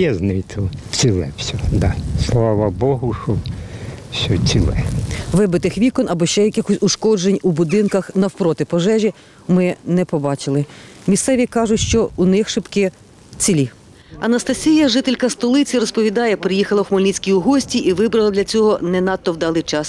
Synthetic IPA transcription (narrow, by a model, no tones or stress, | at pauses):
ɛznʊit̪ʰɔt͡sʲilˠɛ̰fsʲɔd̪aslˠɑʋɐbɔɦʊʂɔ | sʲɔt͡sʲilˠɛʋɪbɪt̪ɪxʋʲikɔnɐbɔʃt͡ʃɛjɐkʲɪxɔsʲuʃkɔd͡ʒenʲubʊd̪ɪnkɐxnɐwpɾɔt̪ɪpɔʒɛʒʲi | mɪnɛpɔbɑt͡ʃɪlˠɪ | mʲist̪sɛʋʲikɑʒʊtʲʃt͡ʃɔunɪxʃɪpkɪ | t͡sʲilʲi | ɐnɐst̪ɐsʲijɐʒɪt̪elʲkɐst̪ɔlˠɪt͡sʲiɾɔspɔʋʲid̪ɑjɛpɾɪjixɐlˠɐxmɔlʲnʲit͡sʲkʲiʊɦɔsʲtʲiʔiʋɪbɾɐlˠɐd̪lʲɐt͡sʲɔɦɔnɛnɑt̪ːɔwd̪ɑlˠɪt͡ʃɑs